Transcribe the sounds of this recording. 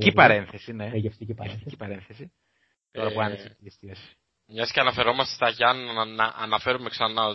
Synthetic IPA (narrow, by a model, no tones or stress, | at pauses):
cipɐɾe̞nθe̞sine̞eft̪iieft̪icipɐɾe̞nθesi | t̪oɾɐpuɐnesepist̪ios | mɲɐsceɐnɐfe̞ɾo̞mɐst̪e̥t̪ɐʝɐnɐnɐʔɐ̰nɐfe̞ɾume̞ksɐnɐo